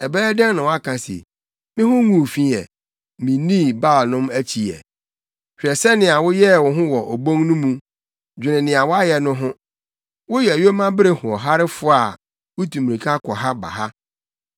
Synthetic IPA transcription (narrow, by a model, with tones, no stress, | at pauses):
ɛ˨bɛː˦dã˦nã˨wa˦kʰã˨sḛ˨ | mɪ̃˦ɦʊ̃˦ŋũ˦˨fĩ˦ɛ̰˨ | mĩ˨nĩ˦ba˦˨lnʊ̃˦mæ˦t͡ɕʰi˨ɛ̰˨ | ɕᶣɛ˨sɛ˦nɪ̃˨a˨wʊ˦jɛ˦˨wɔ̃˨ɦʊ̃˦wɔ˨ʔo˨bõ˦ŋnũ˦mũ˦ | d͡ʑᶣɪ˨nɪ̃˨nɪ̃˨a˨wɔ˦a˦jɛ˨nʊ̃˦ɦʊ̃˦ | wʊ˦jɛ˨æ˨jo˦mã˦bɪ˦ɾe˦hʊ̃˨ɔ˨ɦa˦ɾɪ˦fʊ˦a˨ | wʊ˦tʰũ˨mĩ˨ɾĩ˨kʰa˦kʰɔ˨ɦa˦ba̰˨ɦa˦